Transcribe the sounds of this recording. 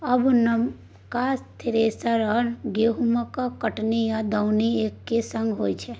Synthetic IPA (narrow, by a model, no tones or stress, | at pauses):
ɐbnɐm | kast̪ʰɪɾeːsaɾəɾɡeːɦuməkakəʈnijad̪əwnieːkːesɐ̃ŋɡɦoːit͡ʃʰɛ